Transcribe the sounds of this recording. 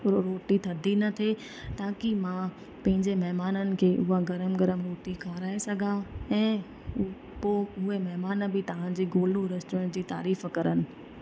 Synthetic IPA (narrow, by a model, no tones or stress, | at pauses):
ɾoɾoːʈit̪ʰɐd̪ʱinɐt̪ʰe | t̪ãːkiɪmã | pɐ̃ɦɪ̃ɲd͡ʑemɐɦmaːnənɪ̆kʰeːʔʊɦaɡɐɾəmɡɐɾəmɾoːʈikʰaːɾaːesɐɡʱaɛ̃ː | poːʊɦemɐɦmaːn̆bɪt̪ɐʋ̤ãd͡ʑiːɡoːlɽuɾɐst̪ʊɽ̃d͡ʑiːt̪a̰ːɾiːfkɐɾənɪ̆